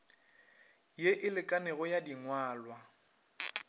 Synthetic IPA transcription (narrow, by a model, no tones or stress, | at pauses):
jeʔɪlɪkʼanɛɣɔjadiŋwaːlwa